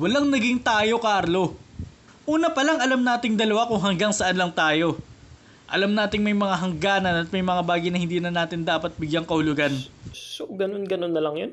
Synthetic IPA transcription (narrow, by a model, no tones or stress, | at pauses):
wɐlaŋnɐɡɪŋt̪aːjo̞kaɾlo̞ | ʔuːnɐpɐlaŋɐlamnaːt̪ɪŋd̪ɐlɐwakʊŋɦɐŋɡaŋsɐʔanlɐŋt̪aːjo̞ | ʔɐ̰lamnaːt̪ɪŋmɐjmɐŋaɦɐŋɡaːnɐnɐt̪̚mɐjmɐŋabaːɡɐjnɐhɪnd̪iːnɐnaːt̪ɪnd̪aːpɐt̪̚bɪɡjaŋkɐhʊlʊɡansoɡɐnonɡɐnonːɐlɐŋjon